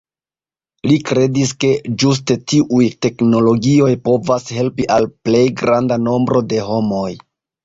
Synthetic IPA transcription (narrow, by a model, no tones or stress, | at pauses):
likɾe̞diske̞d͡ʒus̬te̞tiʔujte̞kno̞lo̞ɡio̞jpo̞vashe̞lpiʔalple̞jɡɾandano̞mbɾo̞de̞ɦo̞mo̞j